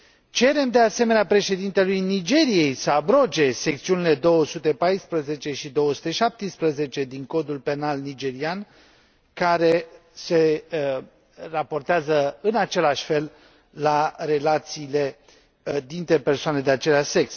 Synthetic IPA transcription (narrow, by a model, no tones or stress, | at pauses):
t͡ʃe̞ɾe̞md̪e̞ase̞me̞neapɾe̞ʃe̞d̪int̪e̞lujnid͡ʒe̞ɾije̞jsəabɾo̞d͡ʒe̞sek̚t̪siunile̞d̪o̞wəsut̪e̞pajspɾəze̞t͡ʃe̞ʃid̪o̞wəsu̥t̪e̞ʃap̚t̪ispɾəze̞t͡ʃe̞d̪iŋko̞d̪ulpe̞nalnid͡ʒe̞ɾian | kaɾe̞se̞ | rapo̞rt̪eazəɨnat͡ʃe̞laʃʲfe̞l | laɾe̞lat̪siːle̞ | d̪int̪ɾe̞pe̞rsoane̞d̪eat͡ʃe̞leaʃʲse̞ks